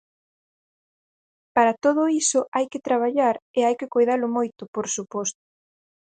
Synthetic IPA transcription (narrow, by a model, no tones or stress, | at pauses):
paɾat̪oðʊisʊʔajkɪt̪ɾaβ̞aʎaɾeajkɪkojðalʊmojt̪ʊpoɾsupɔst̪ʊ̥